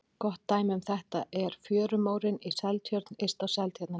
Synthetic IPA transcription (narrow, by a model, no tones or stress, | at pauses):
kɔht̪ːaːjmʏmθɛht̪aʔɛɾ̥fjœːɾʏmoːwɾɪnisɛlt̪ʰjœɾt̪nest̪asɛlt̪ʰjœɾt̪na